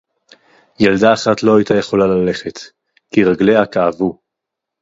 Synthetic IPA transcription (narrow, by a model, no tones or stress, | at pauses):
jeld̪aːχatlo̞ajtaje̞χo̞lalale̞χe̞t | kiʁaɡle̞akaːvu